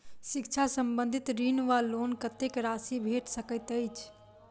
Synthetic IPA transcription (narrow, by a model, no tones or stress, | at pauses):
sikt͡ʃʰasəmbə̃nd̪ʱit̪ɾinʋalonkət̪ekɾaːsibʱeʈsəkəɪt̪əjt͡ʃʰ